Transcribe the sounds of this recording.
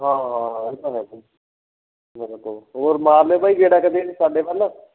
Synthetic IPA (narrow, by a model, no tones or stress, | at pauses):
ɦãːɦãːãet̪aɦɛ | meːɾet̪oːoːɾmaːɾlebaːiɡeːɽakəd̪eːnsaːɖeːʋaːla